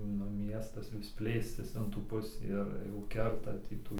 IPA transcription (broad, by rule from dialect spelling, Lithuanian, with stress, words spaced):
nʊ ˈmʲiɛstɐs ʋʲɪs ˈpʲlʲeːsʲtʲɪs ɪn tuː ˈpʊsʲiː ɪr jɛʊ ˈkʲɛrtɐ ˈtʲiː tuː